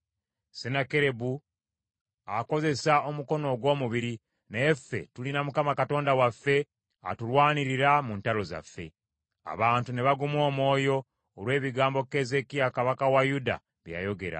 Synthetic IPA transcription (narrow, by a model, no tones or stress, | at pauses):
senakeɾe̞bu | ako̞ze̞saomuko̞no̞ɡwo̞ːmuβiɾi | neefːe̞̰tulinamukamakato̞ːndawafːe̞ | a̰tulwaːniɾiɾamuntalo̞za̰fːe̞̰ | a̰βaːntune̞βaɡumwo̞ːmo̞ːjo̞ː | lwe̞ːβiɡaːmbo̞ke̞ze̞kiakaβakawajuda̰ | βja̰jo̞ɡe̞̰ɾa̰